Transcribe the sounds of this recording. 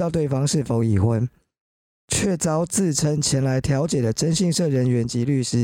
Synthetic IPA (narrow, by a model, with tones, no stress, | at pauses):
ɑ˥˧ʊt̪we˥˩ɪfɑ˥ŋʂɻ̩˥˩fo˧˥ʊi˨˩xwə˧˦n | t͡ɕʰɥɛ˥˩t͡sɑ˥ʊt͡sɹ̩˥˨ʈ͡ʂʰə˧˥ŋt͡ɕʰjɛ˧˥nla˧˦ɪt̪ʰjɑ˨˧˥ʊt͡ɕjɛ˨˩d̪ə˦ʈ͡ʂə˥nɕi˥˧ŋʂɤ˥˩ɻə˧˥nɥɛ˧˦nt͡ɕi˧˥ly˥˩ʂɻ̩˥